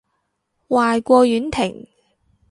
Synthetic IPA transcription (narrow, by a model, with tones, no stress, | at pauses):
waː˨jkʷɔː˧jyː˨˥nt̪ʰɪ˨˩ŋ